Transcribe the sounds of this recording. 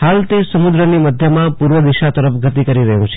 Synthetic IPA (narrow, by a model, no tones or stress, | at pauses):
halt̪esəmud̪ɾəniməd̪ʱjəmãpuɾʋəd̪iʃat̪əɾəpʰɡət̪ikəɾiɾəɦṵ̃t͡ʃʰ